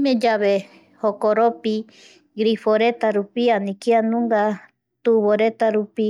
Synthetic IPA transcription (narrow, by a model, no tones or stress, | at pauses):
mẽd͡ʒaβe | hokoɾopi | ɡɾifoɾet̪aɾupianĩkianũŋɡa | t̪uβoɾet̪aɾupi